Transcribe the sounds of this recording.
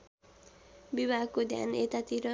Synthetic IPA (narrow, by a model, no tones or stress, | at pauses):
bibʱaɡ̚kod̪ʱja̰net̪at̪iɾʌ